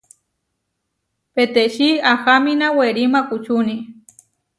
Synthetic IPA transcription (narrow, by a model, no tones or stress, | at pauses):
pet̪eʃiaxaminaweɾimakut͡ʃuni